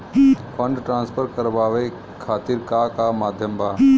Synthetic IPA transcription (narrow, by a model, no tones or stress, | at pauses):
fʰəɳɖʈɾãːnspʰəɾkəɾbaːʋe | kʰaːt̪iɾkaːkaːmaːd̪ʱjəmbaː